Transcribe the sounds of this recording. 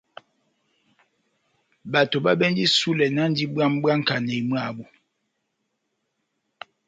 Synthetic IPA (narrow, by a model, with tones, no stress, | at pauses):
ba˨to˨ɓa˦bɛ˦n˦di˦su˦lɛ˨nã˦n˦di˦ba˦m˦ba˦ŋ̩˦ka˨nɛ˨i˨m˦a˦˨bu˨